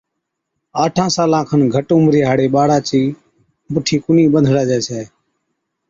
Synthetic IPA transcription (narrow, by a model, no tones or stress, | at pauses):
aːʈʰãːsaːlãːkʰənɡʱəʈũːmɾeːɦaːɽeːɓaːɽaːt͡ʃiː | bʊʈʰiːkʊniːɓənd̪ʱɽaːd͡ʒɛːsɛː